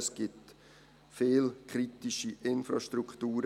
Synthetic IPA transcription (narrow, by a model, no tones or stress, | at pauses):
sɡ̥ɪt | feːlkʰχɾitiʃiʔɪnfɾɑʃtɾukχtuːɾ